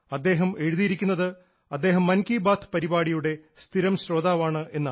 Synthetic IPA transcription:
ɐd̪ːe̞ːɦɐme̞ɻuðijiɾikʲːunːɐðɨ | ɐd̪ːe̞ːɦɐmːɐnkiːbaːt̪ʰɨ̥pɐɾibaːɽijuɽe̞st̪ʰiɾɐmɕɾo̞ːd̪aːʋaːɳɨʔe̞nːa

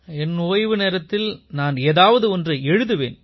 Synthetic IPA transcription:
ɛnʊʋɐjʋɯneːɾɐt̪ːɪlnaːneːðaːʋɐðɯɔndrɯʔɛɻɯðɯʋḛːn

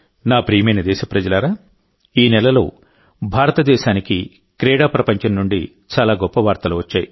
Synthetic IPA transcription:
naːpɾiːmejnɐd̪ɛːʃɐpɾɐd͡ʒɐlaːɾaː | iːnɛlɐlo̞ː | bʱaːɾɐt̪ɐd̪ɛːʃaːniki | kɾɛːɽaːpɾɐpɐɲt͡ʃɐnnuɳɖi | t͡ʃaːlaːɡɔpːɐʋaːɾt̪ɐluːʋɐt͡ʃːaːji

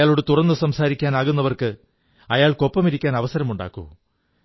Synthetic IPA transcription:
aːɭoɽɨt̪urɐnːɨsɐmsaːɾikʲːaːnaːɣunːɐʋɐrkɨ | ɐjaːɭko̞pːɐmiɾikʲːaːnɐʋɐsɐɾɐmuɳɖa̰ːkːṵ

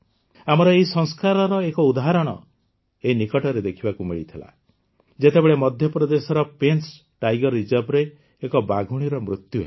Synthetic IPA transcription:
amɔɾɔeɦisɔŋskaɾɔɾɔekɔud̪aɦaɾɔɽ̃ɔ̰ | einikɔʈɔɾed̪ekʰibakumiɭit̪ʰila̰ | d͡ʒet̪ebeɭemɔd̪ʱjɔpɾɔd̪esɔɾɔpens | ʈajɡɔɾid͡ʒɔbɾeː | kɔbaɡʱuɽ̃iɾɔmɾut̪juɦḛ

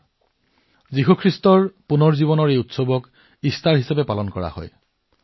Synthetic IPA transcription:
ziɦukʰɹistɔɹpunɔɹziβɔnɔɹejutsobɔk | istaɹɦisapɛpalɔnkɔɹa̰hɔ̰j

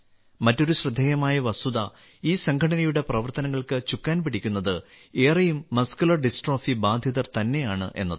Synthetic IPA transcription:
mɐtːo̞ɾuɕrɨd̪ʱːeːjɐmaːjɐʋɐsuðɐ | iːsɐŋkʰɐɽɐnɐjuɽe̞prɐʋɐrt̪ɐnɐŋːɐɭkɨt͡ɕukːaːnpiɽikʲːunːɐðɨ | e̞ːrɐjumːɐskulɐrɖisʈroːfibaːd̪ʱjɐðɐrt̪ɐnːe̞jaːɳɨ̰ʔe̞̰nːɐðɨ

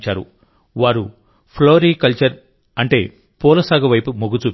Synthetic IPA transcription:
t͡ʃaːɾṵ | ʋaːɾu | pʰloːɾiːkɐlt͡ʃɐɾ | ɐɳʈe̞ː | pɔːlɐsaːɡɐʋɐjpumoɡut͡ʃuːp

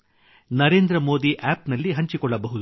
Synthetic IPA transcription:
nɐɾe̞ːnd̪ɾɐmo̞ːd̪iʔaːpnɐlːiɦɐɲt͡ʃikɔɭːɐbɐɦud̪u

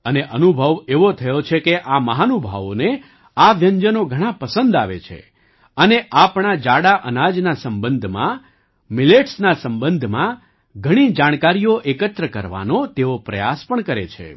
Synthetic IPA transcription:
əneʔənubʱəʋeʋot̪ʰəjot͡ʃʰekeʔaməɦanubʱəʋo̰ne | aʋjəɲd͡ʒənoɡʱəɽ̃apəsənd̪a̰ʋḛt͡ʃʰḛ | əneʔapɳ̃ad͡ʒaɽaʔənad͡ʒnasəmbənd̪ʱmã̰ | mileʈsnasə̃mbənd̪ʱmã | ɡʱəɽ̃id͡ʒaɽ̃kaɾijoʔekət̪ɾəkəɾʋa̰not̪eopɾə̰ja̰spəɳkəɾet͡ʃʰḛ

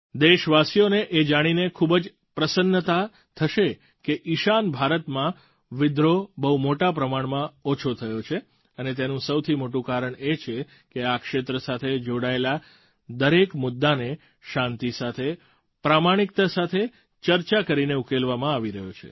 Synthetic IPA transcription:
d̪eʃʋasijoneʔed͡ʒaɽ̃inekʰubd͡ʒ | pɾəsənːət̪a | t̪ʰəʃe | keʔiʃanbʱaɾət̪mã | ʋɪd̪ɾobəɦumoʈapɾəmaɳmãot͡ʃʰot̪ʰəjot͡ʃʰe | ənet̪̬enũsəwt̪ʰimoʈũkaɾəɳ̃et͡ʃʰe | keakʃet̪ɾəsat̪ʰed͡ʒoɽaela | d̪əɾekmʊd̪ːane | ʃãnt̪isat̪ʰe | pɾamaɽ̃ik̚t̪asat̪ʰe | t͡ʃəɾt͡ʃakəɾineukelʋamãaʋiɾəɦjot͡ʃʰḛ

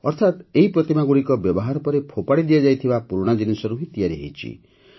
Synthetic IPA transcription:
ɔɾt̪ʰat̪eɦipɾɔt̪imaɡuɽikɔbjɔbɔɦaɾɔpɔɾepʰopaɽid̪ijad͡ʒajt̪ʰibapuɾɽ̃ɔd͡ʒinisɔɾuɦit̪ijaɾiɦḛjt͡ʃʰḭ

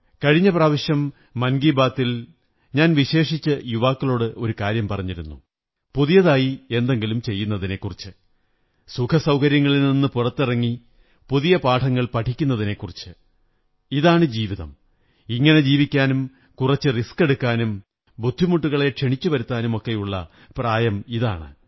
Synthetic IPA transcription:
kɐɻiɲːɐpraːʋɐɕjɐmː | ɐnɡiːbaːt̪ːil | ɲaːnʋiɕe̞ːʂit͡ɕːɨjuʋaːkːɐlo̞ːɽɨʔo̞ɾukaːɾjɐmpɐrɐɲːiɾṵnːṵ | puðijɐðaːjie̞nd̪e̞ŋɡilumt͡ɕe̞jːunːɐðine̞kːurit͡ɕːɨ | sukʰɐsɐwkɐɾjɐŋːɐɭilninːɨpurɐt̪ːirɐŋːi | puðijɐpaːʈʰɐŋːɐɭpɐʈʰikʲːun̪ːɐðine̞kːurit͡ɕːɨ | iðaːɳɨd͡ʑiːʋiðɐ̰m | iŋːɐne̞d͡ʑiːʋikʲːaːnum | kurɐt͡ɕːɨriske̞ɽukːaːnum | bud̪ʱːimuʈːuɣɐɭe̞kʂeɳit͡ɕːuʋɐɾut̪ːaːnumo̞kːe̞juɭːɐ̰ | praːjɐmiða̰ːɳɨ̰

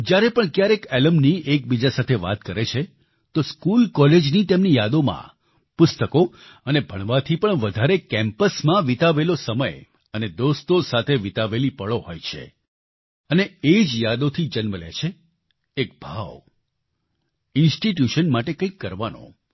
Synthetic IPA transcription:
d͡ʒjaɾepəɳkjaɾekeləmniek̚bid͡ʒasat̪ʰeʋa̰t̪kəɾet͡ʃʰe | t̪oskulkɔled͡ʒnit̪emnijad̪omã̰ | pʊst̪əko | ənebʱəɳʋat̪ʰipəɳʋəd̪ʱaɾekɛ̃mpəsmãʋit̪aʋelosəməj | əned̪ost̪osat̪ʰeʋit̪aʋelipəɭoho̰jt͡ʃʰḛ | əneed͡ʒjad̪ot̪ʰid͡ʒənməlḛt͡ʃʰeː | kbʱaʋ | ɪnsʈiʈ̬juʃənmaʈekə̃ĩkːəɾʋano̰

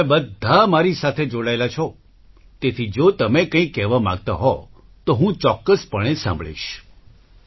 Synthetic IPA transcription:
ebəd̪ʱːamaɾisat̪ʰed͡ʒoɽaelat͡ʃʰɔ | t̪et̪ʰid͡ʒot̪əmekə̃ĩkːɛʋamã̰ɡ̚t̪aɦɔ | t̪oɦũt͡ʃɔkːəspəɽ̃esã̰mbʱɭḭʃ

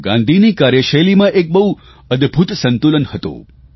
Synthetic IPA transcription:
ɡã̰nd̪ʱinikaɾjəʃəlimãʔek̚bəɦu | əd̪ʱbʱut̪sə̃nt̪ulənhət̪o̰

